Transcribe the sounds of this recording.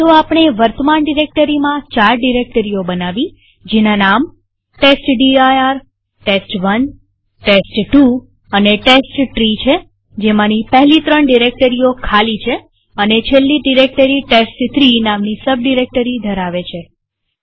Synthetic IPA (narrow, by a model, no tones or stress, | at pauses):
t̪oapɳ̃eʋəɾt̪əmaɳɖiɾek̚ʈəɾimãt͡ʃaɾɖiɾek̚ʈəɾijobənaʋi | d͡ʒenanam | ʈesʈɖiajaɾ | ʈesʈʋən | ʈesʈʈu | əneʈesʈʈɾit͡ʃʰe | d͡ʒemãnipɛɦlit̪ɾəɳɖiɾek̚ʈəɾiokʰalit͡ʃʰe | ənet͡ʃʰelːiɖiɾek̚ʈəɾiʈesʈt̪ʰɾinamnisəb̚ɖiɾek̚ʈəɾid̪ʱəɾaʋet͡ʃʰe